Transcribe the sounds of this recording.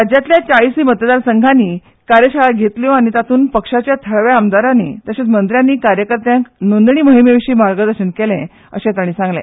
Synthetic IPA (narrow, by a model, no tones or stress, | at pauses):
ɾad͡ʑjat̪ljat͡ɕaisiːmət̪d̪aɾsəŋɡʱaniː | kaɾjəɕaɭaɡʱet̪ljɔaɽ̃it̪at̪ʰuːnpəkʂat͡ɕjat̪ʰəɭʋjaəmd̪aɾanḭːt̪əɕet͡smənd̪ɾjanːiːkaɾjəkəɾt̪jãknond̪ɳ̃iːməɦimeʋiɕiːmaɾɡəd̪əɾɕənkelḛ̃ | ə̰ɕẽt̪əɽ̃ĩːsãŋɡlḛ̃